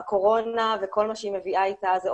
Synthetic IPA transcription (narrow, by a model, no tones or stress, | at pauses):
ko̞ʁonaveko̞lmaʃeimeviʔaitaze